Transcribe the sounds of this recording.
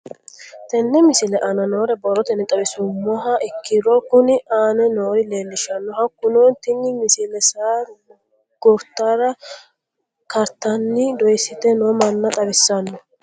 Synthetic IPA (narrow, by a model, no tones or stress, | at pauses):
t̪ɛnːɛmɪsɪlɛʔɐnɐnoːɾɛbɔɾːɔt̪ɛnːɛt̪ʼɐbɪsʊmːɔɦaʔɪkːɪɾokʊnɪʔaːnɛnoːɾɪleːlːɪʃɐnːɔhɐkːʊnoːnt̪ɪnːɪmɪsɪlɛsaːɾ | ɡ̥ɔɾt̪ːaːɾɐ | kɐɾt̪ɐnːɪd̪ɔjɪsɪt̪ɛnoːmɐnːɐt̪ʼɐbɪsːɐnːɔ